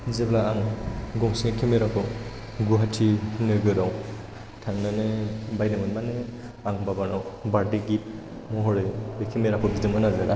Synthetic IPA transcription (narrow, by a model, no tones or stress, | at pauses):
zeblaaŋɡɔŋsiŋekʰemeɾakʰɯ | ɡuɦatʰinɯɡɯɾaw | tʰaŋnanebajnɯmɯnmane | aŋbabanawbaɾdeɡip̚ | mɔɦɔɾebekʰemeɾakʰɔbidɯmɯnazaɾʔa